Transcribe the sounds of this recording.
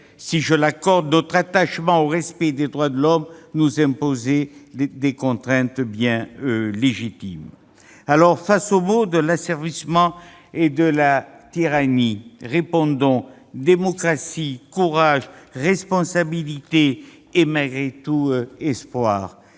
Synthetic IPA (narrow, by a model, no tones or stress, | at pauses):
siʒəlakɔʁd̪nɔt̪χat̪aʃmɑ̃oʁɛspɛd̪ed̪ʁwad̪əlɔmnuzɛ̃pozed̪ekɔ̃t̪χɛ̃t̪bjɛ̃øleʒit̪im | alɔʁfasomod̪əlasɛʁvismɑ̃ | ed̪əlat̪iʁaniʁepɔ̃d̪ɔ̃ | d̪emɔkχasikuʁaʒʁɛspɔ̃sabilit̪eː | malɡʁet̪uøɛspwaːʁ